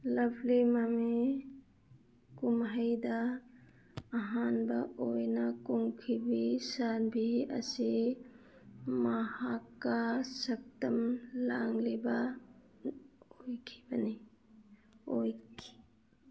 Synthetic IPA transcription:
lɐbʱlemame | kumɦajd̪a | ɦanbaʔojnakuŋkʰibisanbʱia̰si | mahakːasək̚təmlaŋleba | ojkʰi̥bani | ojkʰi̥

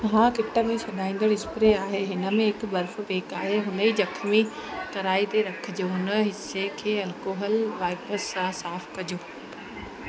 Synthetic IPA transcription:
ɦãkɪʈə̆mẽsɐɗaːĩːn̆d̪əɽɪspɾeaːɦeɦɪnə̆mẽɦɪkbɐɾf̆ʋeːkaːɦeɦʊnəid͡ʑɐkʰmik̪ɐɾaːit̪eɾɐkʰɪd͡ʑoɦʊnə̆ɦɪsekʰeːɐlkoːɦəlʋaːɪpɾəsːãsaːfkɐd͡ʑoː

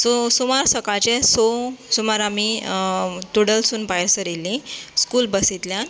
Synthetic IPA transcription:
sosumaɾsəkat͡ɕesosumaɾami | t̪uɽəlsuːnpajɾsəɾilːĩskuːlbəsit̪ljan

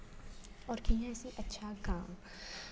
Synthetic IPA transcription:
ɔːɾkijãsiʔɐtːʃʰakaːm

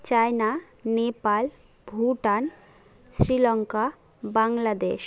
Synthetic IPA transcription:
t͡ɕajna | nepal | bʱuʈan | sɾilɔŋka | baŋɡlad̪eʃ

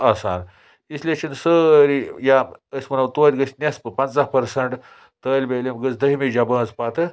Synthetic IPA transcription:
ɐsa̰ːn | islʲet͡ʃʰinsəːɾijaəsʲmɐnɐwt̪uɐɾʲɡəsʲnʲɐspɨpɐnt͡saɦpɐɾsɐɳʈ | t̪əːlʲbelʲemɡət͡sd̪ɐɦimid͡ʒabɐ̃ːt͡spat̪ɨ

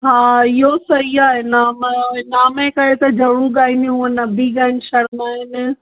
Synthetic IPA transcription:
ɦaːɪɦosɐɦiaːɦenaːmnaːmẽkɐet̪ɐd͡ʑʱɐɽũɠaːɪneũə̃nɐbʱiɡaːɪnɪ̆ʃɐɽmãːɦɪnɪ

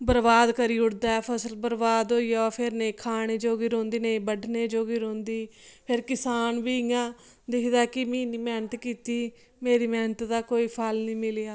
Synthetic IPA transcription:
bəɾbaːd̪kəɾiːʊɽd̪aːɛːpʰəsəlbəɾbaːd̪ɦoːiːaɔːpʰɪɾnẽːkʰaːɽ̃eːd͡ʒoːɡiːɾõːnd̪iːneĩːbəɖʱneːd͡ʒoːɡiːɾõːnd̪iːpʰɪɾkɪsaːnʋiːɪjãː | d̪ɪkʰd̪aːkɪmĩːniːmɛːnət̪kiːt̪iː | meːɾiːmɛːnət̪d̪aːkoːiːpʰalnĩːmɪljaː

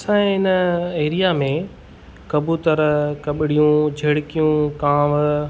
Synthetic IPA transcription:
ɐsãːɪnəeːɾijaːmẽ | kɐbʱut̪ɐɾkɐɓɪɽijũd͡ʑʱeːɽɪkijũkaːm

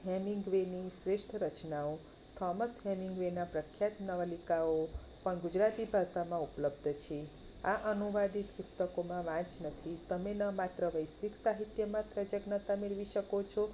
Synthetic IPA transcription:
ɦɛmĩŋɡʋenisɾeʃʈʰɾət͡ʃnao | t̪ʰɔməsɦɛmiŋɡʋenapɾəkʰjat̪nəʋalikao | pəɳɡud͡ʒɾat̪ibʱaʃamãupləbd̪ʱt͡ʃʰe | aʔənuʋad̪it̪pʊst̪əkomãʋãt͡ʃnət̪ʰit̪əmenəmat̪ɾəʋəjsʋiksaɦit̪jəmãt̪ɾəd͡ʒəɡnət̪ameɭʋiʃəkot͡ʃʰo

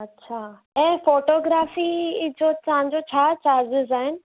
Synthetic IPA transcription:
ɐtːɕʰaː | ɛ̃ːfoːʈoːɡɾaːfid͡ʑot̪ɐɦãɲd͡ʑot͡ɕʰaːt͡ɕaːd͡ʑɪzaːɦɪnɪ̆

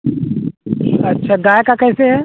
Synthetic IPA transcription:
ɐtːʃʰaɡaːjkakɛːseɦɛː

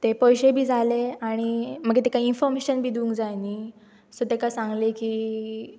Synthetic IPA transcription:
t̪epɔjɕebʱiːd͡zʱaleaɽ̃im̤əɡet̪ekaiinfɔɾmeɕənbʱiːd̪ũːŋkd͡zajniː | sot̪ekasãŋɡlekiː

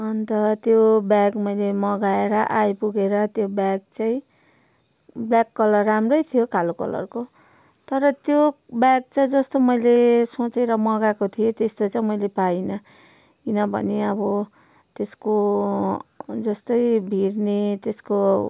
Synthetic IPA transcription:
ʌnt̪ʌt̪jobaɡmʌjlemʌɡaeɾʌʔajpuɡeɾʌt̪jobjaɡ̚t͡saĩ | blakːʌlʌrːamrʌjt̪ʰijokalokʌ̰lʌ̰rko | t̪ʌɾʌt̪jo | baɡ̚t͡saĩd͡zʌst̪omʌjlesõt͡seɾʌmʌɡakot̪ʰijet̪est̪ot͡saĩmʌjlepajnʌ | kinʌbʱʌ̰neʌbʌ | t̪esko | d͡zʌst̪ʌjbʱirnet̪esko

